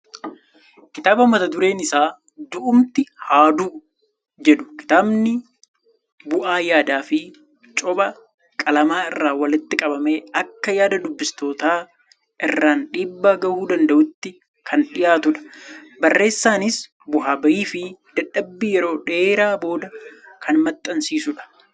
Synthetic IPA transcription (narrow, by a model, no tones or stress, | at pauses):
kɪt̪aːbɐmɐt̪ɐd̪ʊɾe̞ːnɪsaː | d̪ʊʔʊmt̪ɪhaːd̪uː | d͡ʒɛᶑʊ̥kɪ̥t̪aːbnɪ | bʊʔaːjaːd̪aːfɪ | t͡ʃʼɔbɐ | kʼɐlɐmaːɪrːaːwɐlɪt̪ːɪkʼɐbɐme̞ːɐkːɐjaːd̪ɐd̪ʊbːɪst̪o̞ːt̪aː | ʔɪrːaːnᶑiːbːaːɡɐhuːd̪ɐnd̪ɐʔʊt̪ːɪ | kʰɐnᶑɪjaːt̪ʊᶑɐ̥bɐrːe̞ːsːaːnɪs | bʊɦaːbɐjiːfɪd̪̥ɐᶑːɐbːiːjɛɾo̞ːᶑe̞ːɾaːbo̞ːd̪ɐkʰɐnmɐt̪ʼːɐnsiːsʊᶑɐ̥